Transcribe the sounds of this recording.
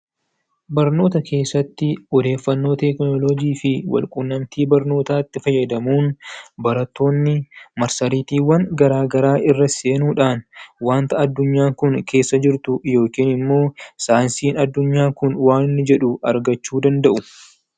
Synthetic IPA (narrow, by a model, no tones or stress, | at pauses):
bɐɾno̞ːt̪ɐkʰe̞ːsːɐt̪ːɪɔd̪e̞ːfːɐnːo̞ːt̪ɛknɔlɔɡiːfɪwɐ̰lkʼʊnːɐmt̪iːbɐɾno̞ːt̪aːt̪ːɪfɐjːɐd̪ɐmuːnbɐɾɐt̪ːo̞ːnːɪmɐɾsɐɾiːt̪iːwːɐnɡɐɾaːɡɐɾaːʔɪrːɐseːnuːᶑaːnwaːnt̪ɐːd̪ːʊɲːaːkʊnkʰe̞ːsːɐd͡ʒɪɾt̪ʊjo̞ːkiːnɪmːo̞ːsaːnsiːnɐd̪ːʊɲːaːkʊnwaːnɪnːɪd͡ʒɛᶑʊɐɾɡɐt͡ʃːuːd̪ɐnd̪ɐʔʊ